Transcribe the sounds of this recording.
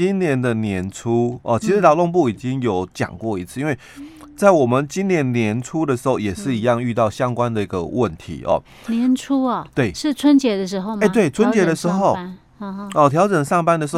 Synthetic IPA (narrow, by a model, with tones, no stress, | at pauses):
i˦˥nnjɛ˧˥nd̪ə˨njɛ˧˥nʈ͡ʂʰu˦˥ɔ˨˩t͡ɕʰi˧˥ʂɻ̩˧˥t̪ɑ˨˩lo˥˧ŋp̬u˥˩i˨˩t͡ɕi˦˥ŋjo˨˥ʊt͡ɕjɑ̰˨˩ŋkwɔ˥˩i˧˥t͡sʰɹ̩˥˧i˥nwe˥˩ɪ | t͡sa˥˩ɪwɔ˨˩mə˨nt͡ɕi˥nnjɛ˧˥nnjɛ˧˥nʈ͡ʂʰu˦d̪ə˨ʂɻ̩˧˥xo˥˩ʊjɛ˨˩ʂɻ̩˥˩i˧˥jɑ˥˧ŋy˥˧t̪ɑ˥˩ʊɕjɑ˦ŋkwa˦nd̪ə˨i˧˥ɡə̰˨wʔə˥˨nt̪ʰḭ˧˥ʔɔ̰˨˩ | njɛ˧˦nʈ͡ʂʰu˥ɐ˨˩t̪we˥˩ɪʂɻ̩˥˨t͡sʰwə˦˥nt͡ɕjɛ˧˥d̪ə˨ʂɻ̩˧˥xo˥˧ʊe˧˩t̪we˥˩ɪt͡sʰwə˦nt͡ɕjɛ˧˥d̪ə˨ʂɻ̩˧˥xo˥˩ʊ | ɔ˥˨˩t̪ʰjɑ˧˥ʊʈ͡ʂə˨˩ŋʂɑ˥˩ŋpa˥nd̪ə˨˩˧